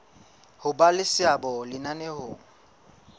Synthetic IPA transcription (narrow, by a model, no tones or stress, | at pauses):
hʊbalɪsɪabɔlɪnanɛhʊːŋ̩